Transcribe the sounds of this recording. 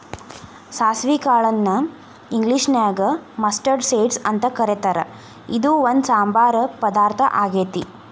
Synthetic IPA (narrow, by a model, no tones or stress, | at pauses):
saːsʋikaːɭɐnːɐ | iŋɡliʂnaːɡɐmɐsʈɐɾɖseːɖsɐnt̪ɐkɐɾet̪ɐɾɐ̰ | id̪uond̪saːmbaːɾɐpɐd̪aːɾt̪ʰɐ̰ʔaːɡeːt̪i